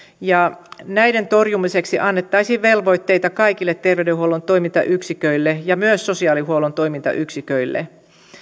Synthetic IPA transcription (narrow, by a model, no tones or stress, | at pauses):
jɑnæjde̞nt̪o̞rjumise̞ksiʔɑnːet̪ːɑisiːʋʋe̞lʋo̞jt̪ːe̞jt̪ɑkɑjkilːet̪ːe̞rʋeɥdeɦuolont̪o̞imint̪ɑ̰ʔyksikøilːejɑmyøsːo̞siɑːlihuolont̪o̞imint̪ɑ̰ʔyksikøilːḛ